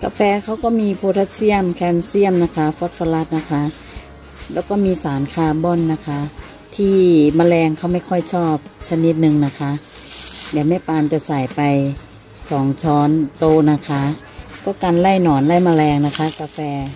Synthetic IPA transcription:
ka˧fɛː˧kʰa˧˥˩wkɔː˧˩miː˧pʰoː˧t̪ʰa˧˥t̪̚si˧˥˩əmkʰɛː˧nsi˧˥˩əmna˧˥kʰa˧˥fɔː˧˦t̪̚fɔ˧la˧˥t̪̚na˧kʰa˧˥ | lɛː˧˩wkɔː˧˩miː˧saː˨˦nkʰaː˧˩bɔː˧˥˨nːa˧kʰa˧˥ | t̪ʰiː˧˩maː˧lɛː˧ŋkʰa˧˩wma˧˥˩jkʰɔ˧˥˨jt͡ɕʰɔː˧˩p̚sa˧ni˧t̪̚nɯ˧ŋna˧˩kʰa˧˥ | lɛː˨˦wmɛː˧˥˨paː˧nt͡ɕa˧˩sa˨˩jpa˨j | sɔː˨˩˦ŋt͡ɕʰɔː˧˥nt̪oː˧na˧kʰa˧˥ | kɔː˧˩ka˧˨nla˧˥˨jnɔː˨˩nla˧˩jma˧lɛː˧ŋna˧kʰa˧˥ka˧fɛː˧

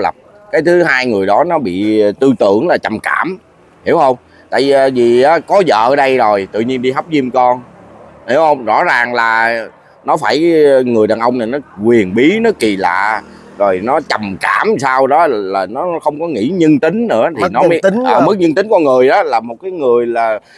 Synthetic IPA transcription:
lə˨˩p̚ | kaː˨˦jt̪ʰɨ˨˦ɦaː˧jŋɨ˨˩əjɗɔ˨˦nɔ˨˦ɓḭ˧˨t̪ɨ˧t̪ɨ̰˧˩˨əŋlaː˨˩t͡ɕa˨˩mkaː˧˩m | hḭ˧˩əwhə˧wŋ͡m | t̪a̰ː˧˨jiː˨˩˨jvi˨˩ʔaː˨˦kɔ˨˦zə̰ː˧˨ɗə˧jzo˨˩jt̪ɨ̰˧˨ɲi˧ənɗi˧ɦa˦˥wk͡p̚zi˧əmkɔ˧n | hi˧˩əwhə˧wŋ͡mzɔ̰˧˥zaː˨˩ŋlaː˨˩ | nɔ˨˦faː˧˩jŋɨ˨˩əjɗaː˨˩nʔə˧wŋ͡mna˨˩jnɔ˨˦kwi˨˩ənɓi˨˦nɔ˨˦ki˨˩la̰ː˧˨ | zo˨˩jnɔ˨˦t͡ɕa˨˩mka̰ː˧˥msaː˧wɗɔ˨˦laː˨˩nɔ˨˦xə˧wŋ͡mkɔ˨˦ŋḭ˧˥ɲə˧nt̪ï˨˦ŋ̟nɨ̰˧˥ət̪ʰi˨˦˩nɔ˨˦ə˨˦˨ʔəː˨˩mɨ˦˥k̚ɲə˧nt̪ï˨˦ŋ̟kɔ˧nŋɨ˨˩əjɗɔ˨˦laː˨˩mo˨˩t̚kaː˨˦jŋɨ˨˩əjlaː˨˩

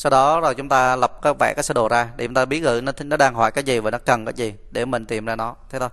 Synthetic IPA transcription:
sa˧wɗɔ˨˦zo˨˩jt͡ɕʊ˨˦ŋ͡mt̪aː˧lə˨˩p̚kaː˨˦vɛ̰ː˧˩kaː˨˦jsɛ˧˥ɗo˨˩zaː˧ɗe˧˩t͡ɕʊ˦ŋ͡mt̪aː˧ɓi˨˦əɣɨ̰˧˨nʰ˨˦˨nɔ˨˦ɗaː˧ŋɦa̰˧˩jkaː˨˦jzi˨˩vaː˨˩nɔ˨˦kə˨˩nkaː˨˦jzi˨˩ɗe˧˩mï˨˩ŋ̟t̪i˨˩əmzaː˧nɔ˨˦t̪ʰe˨˦t̪ʰo˧˦j

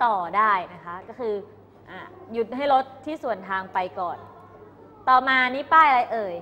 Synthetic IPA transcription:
t̪ɔː˨˩daː˥˩jna˦˥kʰa˦˥kɔː˥˩kʰɯː˧ | ʔaː˨˩ju˦˩t̪̚ɦa˥˩jɾo˦˥t̪̚ʰːiː˥˩su˨˩ənt̪ʰaː˧ŋpa˧jkɔː˨˩n | t̪ɔː˨˩maː˧ni˦˥paː˥˩jɾa˧jʔɤː˨˩j

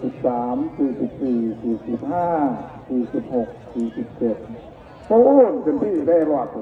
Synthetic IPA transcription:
si˨˩p̚saː˩˦msiː˨˩si˨˩p̚siː˨˩siː˨˩si˨˩p̚haː˥˩siː˨˩si˨˩p̚ho˨˩k̚siː˨˩si˨˩p̚t͡ɕe˨˩t̪̚ | ʔo˦˥˩npe˧np̪ʰiː˥˩daː˥˩jɾa˧wa˧˩kʰ

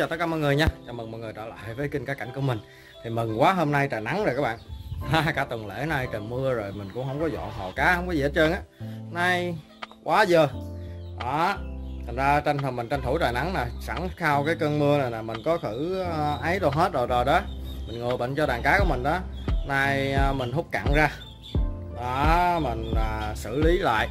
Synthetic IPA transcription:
ɔ˧˩t̪əː˦˥kaː˧mɔ̰˧˨jŋɨ˨˩əɲaː˧t͡ɕɔ˧mɨ˨˩ŋmɔ̰˧˨jŋ˨˩ət͡ɕə̰ː˧˩la̰ː˧˨jvəː˨˦jki˧ŋ̟kaː˨˦˥ka˧˩jŋ̟ku˧˩əmï˨˩ŋ̟ | t̪ʰi˨˩mɨ˨˩ŋkwaː˨˦ɦo˧mna˧jtaː˨˩jna˨˦ŋzo˨˩jkaː˦˥ɓa̰ː˧˨ʔaː˨˦kaː˧˦t̪ə˨˩ŋlḛ˧˥na˧jt͡ɕə˨˩nmɨ˧əzo˨˩jmï˨˩ŋ̟kʊ̰˧˥ŋ͡mhə˧wŋ͡mkɔ˨˦zɔ̰˧˨nɦɔ˨˩kaː˨˦hə˧wŋ͡mkɔ˨˦zi˨ə˨˦˥t͡ɕə˧nʔaː˨˦na˧j | kwaː˨˦zəː˨˩ʔaː˨˩t̪ʰŋ̟zaː˧t͡ɕa˧jŋʰə˨˩mi˨˩ŋ̟t͡ɕa˧jŋt̪ʰu˧˦jt̪aː˨˩jna˨˦ŋnaː˨˩sa˧˩ŋxaː˧wkaː˨˦jkəː˧nmɨ˧əna˨˩naː˨˩mï˨˩ŋ̟kɔ˨˦xɨ˧˩˧ʔə˨˦jɗo˨˩ɦe˦˥t̚zo˨˩jzo˨˩jɗɔ˨˦mï˨˩ŋ̟ŋo˨˩jɓə̰˧˨nt͡ɕɔ˧ɗaː˨˩ŋkaː˨˦˥ku˧˩əmï˨˩ŋ̟ɗɔ˨˦naː˧jːmï˨˩ŋ̟ɦʊ˦˥k͡p̚ka̰ː˧˨ŋzaː˧ | ʔaː˨˩mï˨˩ŋ̟aː˨˩sɨ̰˧˩li˨˦la̰ː˧˨jʔ

